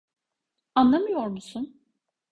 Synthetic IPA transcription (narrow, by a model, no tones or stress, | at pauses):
anlˠamɯjo̞ɾmusun